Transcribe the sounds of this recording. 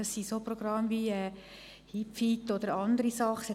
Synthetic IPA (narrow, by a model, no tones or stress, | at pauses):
ɑsːisoproɡ̥ɾɑmʋiɛː | hipfit̪ːod̪əɾɑnd̪əɾisɑχsɛ